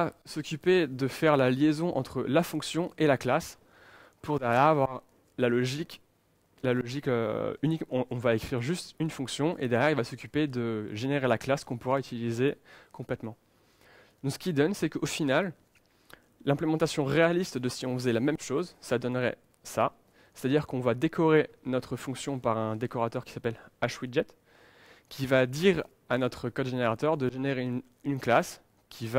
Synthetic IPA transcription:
vasɔkʲyped̪əfɛʁlaljezɔ̃ʔɑ̰̃t̪χəlafɔ̃ksjɔ̃elaklas | puʁd̪ɛʁjɛʁavwaʁ | lalɔʒikʲ | lalɔʒikø̰ynikm̃ːvaekχiʁʒyst̪ynfɔ̃ksjɔ̃ʔḛd̪ɛʁjɛʁilvasɔkʲyped̪əʒeneʁelaklaskɔ̃puʁayt̪ilizekɔ̃plɛt̪mɑ̃ | d̪ɔ̃ksə̥kʲid̪ɔnsɛkofinal | ɛ̃plemɑ̃t̪asjɔ̃ʁealist̪d̪əsiɔ̃fəzɛlamɛmʃozsad̪ɔnʁɛ̰ | sa | se̥t̪ad̪iʁkɔ̃vad̪ekʰɔʁenɔt̪χəfɔ̃ksjɔ̃paʁɛ̃d̪ekɔʁat̪œʁkʲi̥sapɛlaʃwiʒɛt̪ | kʲivad̪iʁ | anɔt̪χəkɔd̪ʒeneʁat̪œʁd̪əʒeneʁen | ynklas | kʲʰiva

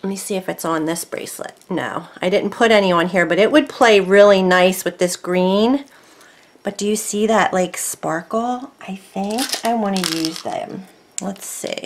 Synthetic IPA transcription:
misiɨfɨtsn̩ðɪsb̥ɹḛɪslɨ̰t̚no̰ʊaɪdɪdⁿn̩pʰʊɾɛñiwʌ̃nɦiɹbʌɾɨʔ̚wɨd̚pʰl̥eɪɹɪlˠinaɪswɨðɪsɡ̥ɹĩn | b̥ʌt̚d̥ɨjɨsiðɨʔlʔaɪkspɑɹkl̩ˠʔaɪθɪ̃ŋkaɪwɑ̃nɨjʉzðɨ̰̃m | lətsḭɪ

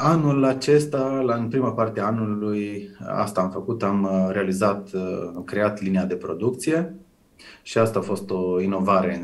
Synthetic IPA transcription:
anulat͡ʃe̞st̪alaɨnpɾimapart̪eaanuluja̰st̪aːmfəkut̪amɾe̞alizat̪amkɾe̞at̪liniad̪e̞pɾo̞d̪uk̚t̪sije̞ | ʃiast̪aːfo̞st̪o̞ino̞vaɾe̞

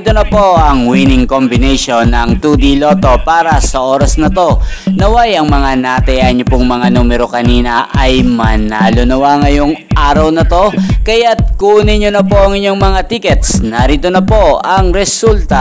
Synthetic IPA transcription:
t̪onɐpo̞ʔɐŋwiːnɪŋkombɪnɛjʃonːɐŋt̪uːd̪ilo̞ːt̪o̞paːɾɐsɐʔo̞ːɾɐsnɐt̪o̞ | nɐwajɐŋmɐŋanɐt̪ɐjanːopʊŋmɐŋanuːmɛɾo̞kɐniːnɐʔɐjmɐnalʊnɐwaŋɐjo̞ŋʔaːɾɐwnɐt̪o̞kɐjat̪̚kunɪɲonɐpo̞ʔɐŋɪɲo̞ŋmɐŋat̪ikɛt̪snɐɾiːt̪o̞nɐpo̞ʔɐŋɾɛsult̪ɐ

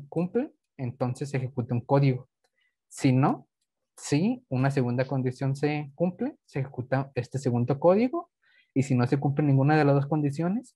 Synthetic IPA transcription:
kumple | ent̪o̞nse̞s̬ːexe̞kut̪auŋko̞ðiɣo | sino̞ | siunas̬e̞ɣund̪ako̞nd̪isjo̞nse̞kumple̞sexekut̪ae̞st̪e̞seɣund̪o̞ko̞ðiɣo̞ | isino̞se̞kumplenĩŋɡunaðelazðo̞sko̞nd̪isjo̞ne̞s

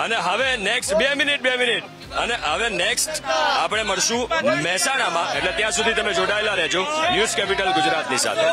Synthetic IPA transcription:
əneɦəʋeneksʈbemɪniʈ̚bemɪniʈ | əneɦəʋeneksʈapɽ̃eməɽʃũmɛɦsañamãʔḛʈlet̪jãsud̪ʱit̪əmed͡ʒoɽaelaɾɛɦd͡ʒonjuzkɛpiʈəlɡʊd͡ʒɾat̪nisa̰t̪ʰe

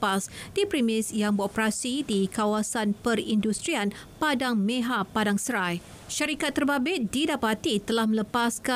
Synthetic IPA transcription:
pasdipɾimɪsjaŋbəopɾasidikawasanpərindust̪ɾian | padaŋmẽɦapːadaŋsəɾaj | ʃaɾikat̪ːərbabɪt̪̚didapat̪it̪əlahmə̃ləpaska

